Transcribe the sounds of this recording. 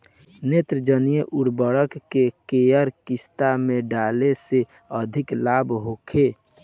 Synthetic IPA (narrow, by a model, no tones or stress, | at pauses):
net̪ɾəd͡ʒənijəʔuɽbəɽəkːekejəɾkɪst̪amẽɖalese | əd̪ʱɪklabʱɦokʰe